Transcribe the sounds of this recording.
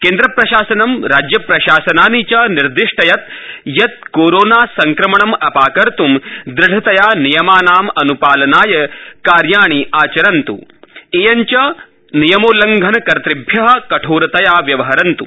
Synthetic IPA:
keːnd̪ɾɐpɾɐʃaːsɐnɐmɾaːd͡ʒjɐpɾɐʃaːsɐnaːnit͡ʃɐniɾd̪iʂʈɐjɐt̪̚jɐt̪̚koːɾoːnaːsɐŋkɾɐmɐɳɐmɐpaːkɐɾt̪umd̪ɾɪɖʱɐt̪ɐjaːnijɐmaːnaːmɐnupaːlɐnaːjɐkaːɾjaːɳiaːt͡ʃɐɾɐnt̪ṵeːjɐɲt͡ʃɐ | nijɐmoːlɐŋɡʱɐnɐkɐɾt̪ɾibʱjɐɦɐ̆kɐʈʰoːɾɐt̪ɐjaːʋjɐʋɐɦɐɾɐnt̪ṵ

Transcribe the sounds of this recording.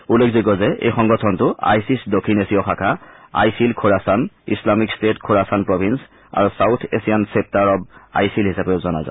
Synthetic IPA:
ulekʰzikɔzɛḛjxɔŋɡɔtʰɔntʊa̰jsisdokʰinesijɔxʰakʰaa̰jsilkʰɔɹasanḭslamikstetkʰɔɹasanpɹɔbʱins | a̰ɹusawtʰḛsijansep̚taɹɔba̰jsilɦisapeʊzɔna̰za̰

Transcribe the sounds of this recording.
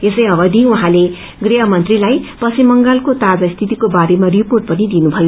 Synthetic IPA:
esʌjʌbʌd̪ʱiuɦãle | ɡriɦʌmʌnt̪rilajpʌsimːʌŋɡalkot̪ad͡zaist̪ʰit̪ikobaɾemariporʈ̚pʌnid̪inubʱʌjo

